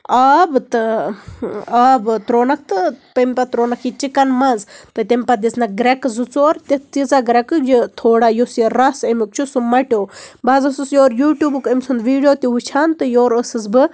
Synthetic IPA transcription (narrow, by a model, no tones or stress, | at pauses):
aːbt̪ɨ | aːbɨt̪ɾoːnɐk̚ʰt̪ɨpɐmʲpɐt̪ɾoːnɐkʰit͡ʃikɐnmɐnzt̪ɨt̪ʲɐmʲpɐd̪ʲisnɐɡɾɐkzɨt͡soːɾt̪ʲitt͡s̪izaɡɾɐkɨd͡ʒit̪ʰoːɽajosiɾɐsɐmik̚t͡ʃʰusumɐʈʲoːbazɐsɨsjoːɾjuːʈʲjuːbɨkəmʲsund̪ʋiːɖijoːt̪ʲiut͡ʃʰaːnt̪ɨjoːɾəsɨs̬bɨ